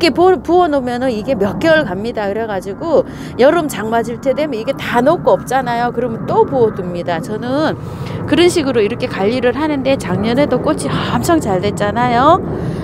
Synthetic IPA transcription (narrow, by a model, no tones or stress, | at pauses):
kʰe̞popuʌnomjʌnɯniɡe̞mjʌk͈jʌɭkamɲidakɯɾe̞ɡad͡ʑiɡo | jʌɾɯmt͡ɕaŋmad͡ʑiɭtʰe̞de̞mjʌiɡe̞tanok͈oʌp̚t͡ɕ͈anajokɯɾʌmjʌnt͈opuʌdumɲidat͡ɕʌnɯn | kɯɾʌnɕʰiɡɯɾoiɾʌkʰe̞kaʎːiɾɯɭɦanɯnde̞t͡ɕaŋɲʌnedok͈ot͡ɕʰihʌmt͡ɕʰʌŋt͡ɕaɭdwe̞t̚t͡ɕ͈anajo